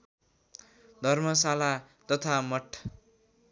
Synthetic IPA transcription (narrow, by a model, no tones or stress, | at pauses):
d̪ʱʌrmʌsalat̪ʌt̪ʰamʌʈʰ